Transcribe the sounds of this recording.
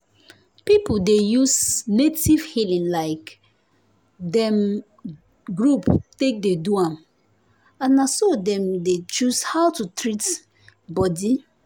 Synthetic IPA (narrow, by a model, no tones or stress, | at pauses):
pipudejusnetiv̥hilĩnlaɪk | dɛ̃m | ɡɹuptek̚deduãm | ãnasodɛ̃mdet͡ʃushawtutɹit | bɔdi